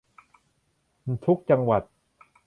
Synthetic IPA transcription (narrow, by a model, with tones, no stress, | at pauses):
t̪ʰu˦˥k̚t͡ɕa˧ŋwa˨˩t̪̚